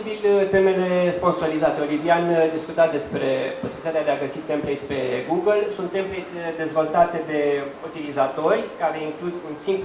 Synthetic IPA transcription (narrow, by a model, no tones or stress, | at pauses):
ibilt̪emeleespo̞nso̞ɾizat̪eo̞liviand̪iskut̪at̪̚d̪e̞spɾe̞po̞sibilit̪at̪ealeaɡəsit̪ːemplejt̪sʲpe̞ɡuɡəlsunt̪ːemplejt̪sʲd̪e̞zvo̞lt̪at̪e̞d̪e̞ut̪ilizat̪o̞rʲkaɾe̞iŋklud̪unsim